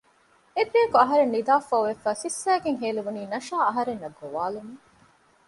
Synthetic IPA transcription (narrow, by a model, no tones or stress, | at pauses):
ed̪ejɐkuɐɦɐɾenːid̪aːfɐːʋefæːsisːæːɡeŋɦeːluʋuniːnɐʃaːɐɦɐɾenːɐɡːoʋaːlume